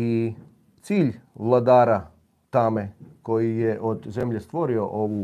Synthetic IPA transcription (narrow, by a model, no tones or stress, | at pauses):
i | t̪siːʎʋlˠad̪aːɾa | t̪ameko̞jijeʔod̪zemʎe̞st̪ʋo̞ɾio̞ʔoʋu